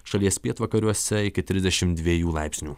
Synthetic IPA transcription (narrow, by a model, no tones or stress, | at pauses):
ʃɐlʲiɛsʲpʲiɛt̪ʋɐkɐɾʲuɔsʲɛɪkʲɪt̪ʲɾʲɪzʲd̪ʲɛʃʲɪmt̪d̪ʲʋʲiɛjuːlˠɑɪpʲsʲnʲuː